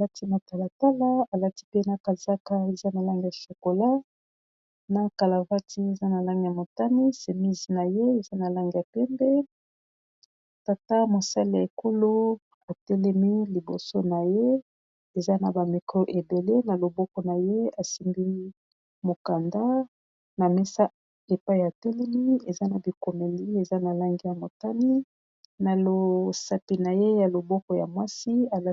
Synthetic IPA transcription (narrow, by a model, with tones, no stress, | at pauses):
a˨la˦ti˦ma˨ta˨la˨ta˦la˦a˨la˦ti˦pe˦na˨ka˨za˦ka˦e˨za˦na˨la˦ŋɡi˨ja˨so˨ko˨la˦ | na˨ka˨la˨va˦ti˦e˨za˦na˨la˦ŋɡi˨ja˨mo˨ta˦ni˦se˨mi˦zi˨na˨je˦e˨za˦na˨la˦ŋɡi˨a˨pɛ˦mbɛ˦ | ta˨ta˦mo˨sa˦li˦ja˨e˨ko˦lo˦ | a˨tɛ˦lɛ˦mi˦li˨bo˨so˦na˨je˦ | e˨za˦na˨ba˨mi˨kʁo˦ʔe˨be˨le˦na˨lo˨bɔ˦kɔ˨na˨je˦a˨si˦mbi˦ | mo˨ka˨nda˦ | na˨mɛ˦sa˦ | e˨pa˦i˦˨a˨tɛ˦lɛ˦mi˦e˨za˦na˨bi˨ko˨me˨li˦e˨za˦na˨la˦ŋɡi˦ja˨mo˨ta˦ni˦ | na˨lo˨sa˨pi˨na˨je˦ja˨lo˨bɔ˦kɔ˨ja̰˨mwa˦si˦a˨l